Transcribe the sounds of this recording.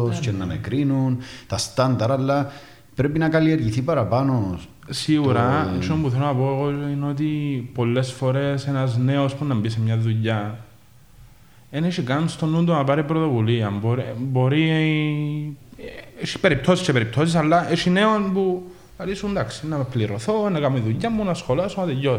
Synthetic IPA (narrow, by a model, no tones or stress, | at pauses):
oscenːɐmekɾinunt̪ɐst̪ɐnd̪ɐɾɐlːɐ | pɾepinɐkɐlieɾʝiθipɐɾɐpɐno | siɣuɾɐt͡ʃːompuθelonɐpoeɣoino̞t̪̬ipo̞lːe̞sfo̞ɾe̞senɐzne̞ospunːɐmbisemɲɐðuʎːɐ | eneʃikɐnst̪onunt̪onɐpɐɾipɾot̪o̞vuliɐmboɾibo̞ɾi | eʃi̥pe̞ɾip̚t̪o̞siscepeɾip̚t̪ʰo̞sis̬ɐlːɐʔeʃine̞onpu | kɐlisund̪aksi̥nɐpliɾoθonɐkɐmiðuʎːɐmːunɐsxo̞lɐsumɐt̪eʎːos